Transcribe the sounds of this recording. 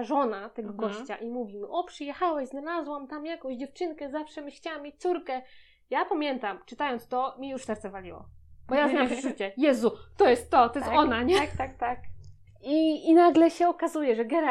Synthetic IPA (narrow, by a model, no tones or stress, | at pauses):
ʐɔnat̪ɛɡɔɡɔɕt͡ɕaʔimuvʲimɘʔɔpʂɨjɛxawɛɕznalazwamt̪amjakɔ̃w̃ʑd͡ʑɛft͡ʂɘŋkɛzafʂɛmʲɘɕt͡ɕaamʲet͡ɕt̪suɾkɛ | japamʲjɛnt̪amt͡ʂɘt̪ajɔnt̪st̪ɔmʲijuʂsɛɾt̪sɛvalʲiwɔ̰bɔjazmʲawampʐɛʐut͡ɕɛjɛzut̪ɔjɛst̪ːɔt̪ɔjɛst̪ɔnaɲɛkt̪ak̚t̪ak | iːnaɡlɛɕɛɔkazujɛʐɛɡɛɾa